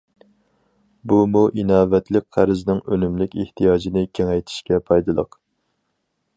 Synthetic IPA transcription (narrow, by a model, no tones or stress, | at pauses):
bumuʔinɑːvɛt̪ʰlɪk̚ʲqʰæɾɪznɪŋønymlɪkʲeht̪ʰijɑːd͡ʒinɪkʲʰeŋɛjt̪ʰɪ̥ʃkʲɛpʰɑjd̪ɨlˠə̰q